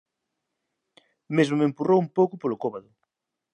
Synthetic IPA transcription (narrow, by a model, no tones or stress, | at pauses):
mezmʊmempurowumpowkʊpolʊkoβaðʊ